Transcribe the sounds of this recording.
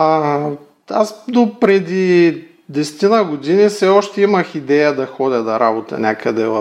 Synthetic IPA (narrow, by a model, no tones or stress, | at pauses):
asd̪opɾɛd̪i | d̪ɛsɛ̥t̪inəɡod̪inifsɛɔʃt̪ɛiməxid̪ɛjəd̪ɐxɔd̪ʲəd̪ɐɾabot̪ɐ̰nʲakəd̪ɛvɐ